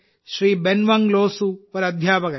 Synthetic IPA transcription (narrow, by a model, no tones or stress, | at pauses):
ʃɾiːbenʋɐŋɡloːsupɐɾɐd̪ʱjaːpɐkɐ